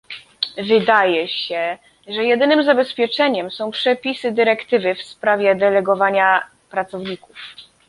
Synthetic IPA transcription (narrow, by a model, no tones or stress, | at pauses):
vɘd̪ajɛɕɛ | ʐɛjɛd̪ɘnɘmzabɛspʲjɛt͡ʂɛɲɛmsɔ̃w̃pʂɛpʲisɘd̪ɘɾɛkt̪ɘvɘfspɾavʲjɛd̪ɛlɛɡɔvaɲa | pɾat̪sɔvɲikuf